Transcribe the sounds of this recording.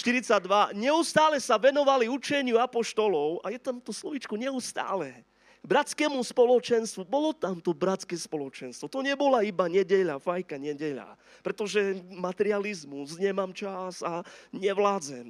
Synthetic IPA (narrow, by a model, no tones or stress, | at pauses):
ʃt̪iɾit͡saɟd̪ʋaɲɛust̪aːlɛsaʋɛnɔʋaliut͡ʃɛɲɪuapɔʃt̪ɔlɔʊa̰jɛt̪amt̪ɔslɔʋit͡ʃkuɲɛust̪a̰ːlɛ | bɾat͡skɛːmuspɔlɔt͡ʃɛnst̪ʋubɔlɔt̪amt̪ɔbɾat͡skɛspɔlɔt͡ʃɛnst̪ʋɔt̪ɔɲɛbɔlaibaɲɛɟɛʎafajkaɲɛɟɛʎa̰ | pɾɛt̪ɔʒɛmat̪ɛɾɪalizmusɲɛmaːmt͡ʃasaɲɛʋlaːd͡zɛm